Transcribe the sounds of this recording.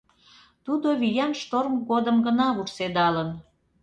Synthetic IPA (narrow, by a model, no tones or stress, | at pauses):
t̪ud̪oβijɑnʃt̪ormɡod̪əmɡənɑβuksed̪ɑlən